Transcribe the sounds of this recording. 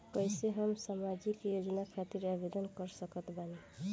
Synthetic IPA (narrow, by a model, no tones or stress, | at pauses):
kʌjseɦʌmsamad͡ʒikjod͡ʒʌnakʰat̪iɾabed̪ʌnkʌɾsʌkʌt̪bani